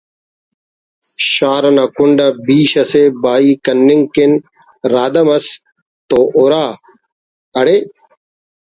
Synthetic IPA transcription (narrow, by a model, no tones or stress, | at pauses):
ʃaːɾɐnaːkʊɳɖabiːʃɐseːbaːiːkənːɪŋɡkɪn | ɾaːd̪ɐmɐs | t̪oːʔoːɾaː | əɽeː